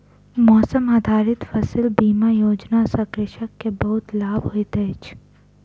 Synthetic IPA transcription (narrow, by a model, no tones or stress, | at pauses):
mɔːsəmaːd̪ʱaːɾɪt̪fɐsəlbiːmajoːd͡ʒnasɐkɾɪʃəkːebɐɦʊt̪laːbɦoit̪eːt͡ʃ